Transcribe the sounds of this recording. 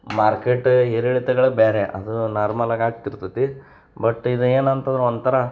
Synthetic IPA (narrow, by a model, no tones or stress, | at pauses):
maːɾkeʈːɦiɾiɭit̪ɛɡɐɭebeːɾeʔɐ̰d̪unaːɾmɐlaːɡaːɡ̚t̪iɾt̪ɐt̪i | bɐʈːid̪ueːnɐnt̪ɐnd̪ɾeont̪ɐɾɐ